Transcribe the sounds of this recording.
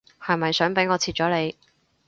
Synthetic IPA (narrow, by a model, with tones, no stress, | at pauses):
hɐ˨jmɐ˨jsœː˨˥ŋpe˨˥jŋɔː˨˧t͡sʰiː˧t̚t͡ʃɔː˨˥le˨˧j